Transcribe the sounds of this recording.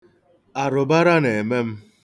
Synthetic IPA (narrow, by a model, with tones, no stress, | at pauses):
a˨ɾʊ˨ba˦ɾa˦ne˨e˨me˦m̩˦